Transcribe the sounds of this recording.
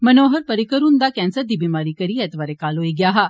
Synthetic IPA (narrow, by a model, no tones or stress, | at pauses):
mənoːɦəɾpəɾikəɾuːnd̪akɛ̃ːnsəɾd̪iːbimaːɾikəɾiɛt̪ʋaːɾekaːloːiɡjaːɦa